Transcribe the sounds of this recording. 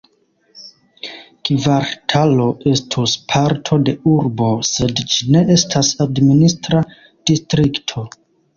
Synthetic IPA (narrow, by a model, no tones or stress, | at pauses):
kvaɾtʰalo̞e̞stʰuspʰaɾtʰo̞de̞uɾbo̞se̞dd͡ʒine̞ʔe̞stʰasadministɾa | d̥istɾiktʰo̞